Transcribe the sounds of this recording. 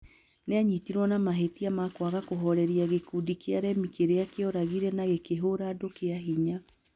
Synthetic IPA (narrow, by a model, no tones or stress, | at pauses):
neaɲitiɾwɔnamaɦetiamakwaɣakoɦɔɾɛɾiaɣekudikeaɾɛmikeɾeakeɔɾaɣiɾɛnaɣekeɦoɾadokeaɦiɲa